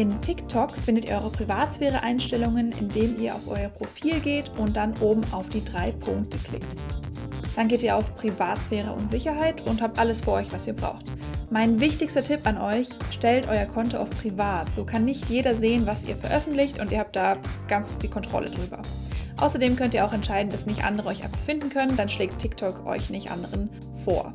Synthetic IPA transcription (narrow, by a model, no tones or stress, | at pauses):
ʔɪntʰɪktʰɔkfɪndətiɐʔɔʏʁəpʁ̥ivaːtsfɛːʁ̞əʔaɪnʃtɛlʊŋənʔɪ̰ndeːmiːɐʔa̰ʊfʔɔ̰ʏɐpʁ̥ofiːlɡeːtʔʊnt̚d̥anʔoːbm̩ʔa̰ʊfd̥iːdʁaɪpʰʊŋk̚təkl̥ɪ̰kt | d̥anɡeːtiːɐʔa̰ʊfpʁ̥ivaːtsfɛːʁ̞ə̰ʔʊ̰ntz̥ɪçɐɦaɪtʊnthaːp̚tʔaləsfyːɐʔɔʏçv̥asiːɐbʁa̰ʊxtmaɪnvɪçtɪçstɐtʰɪpanʔɔʏçʃtɛltʔɔʏɐkʰɔntoʔa̰ʊfpʁ̥ivaːtz̥oːkʰanːɪçtjeːɾɐzeːənvasʔḭːɐfɛɐʔœfn̩tlɪçtʊntiːɐhaːp̚t̚d̥aːɡ̥ant͡sd̥iːkʰɔntʁ̥ɔ̰lʔədʁyːbɐ̰ʔa̰ʊsɐdeːmkʰœntiːɐaʊɛntʃaɪdn̩d̥asnɪçtʔa̰ndəʁəʔɔʏçʔa̰ɪnfaχfɪndn̩kʰœnəndanʃleːk̚tʰɪktʰɔkʰʔɔ̰ʏçnɪçtʔa̰ndəʁən | fo̰ːɐ